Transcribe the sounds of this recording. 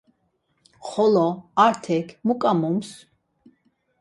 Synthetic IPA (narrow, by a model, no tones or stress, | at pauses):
χɔlɔaɾt̪ʰɛkʰmukʼamums